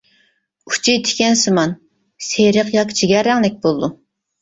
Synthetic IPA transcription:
u̥t͡ʃʰit̪ʰi̥kʲɛnsɨmɑn | seɾəqjɑkt͡ʃʰiɡʲɛɾɛŋlɛk̚ʲbolˠd̪u

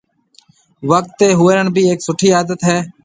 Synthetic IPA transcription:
ʋək̚t̪ːeːɦʊːəɾəɳbʱiːeːksʊʈʰiːaːd̪ət̪ɦɛː

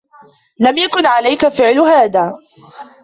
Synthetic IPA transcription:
lamjakʊnʕalajkafɪʕlʊhaːðaː

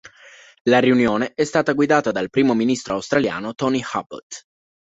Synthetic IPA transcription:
laɾiunjoːneɛst̪aːt̪aɡwid̪aːt̪ad̪alpɾiːmominist̪ɾoawst̪ɾalja̰ːnot̪ɔniha̰ba̰t̪

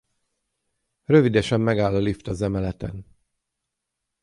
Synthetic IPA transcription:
rø̞vid̪ɛʃɛmːɛɡaːlːɒlift̪ɒzɛmɛlɛt̪ɛn

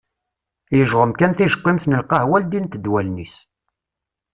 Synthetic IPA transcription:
jəʒʁəmkænθiʒə̥qːimθnəlqɑhwæld̪int̪əd̪wælnis

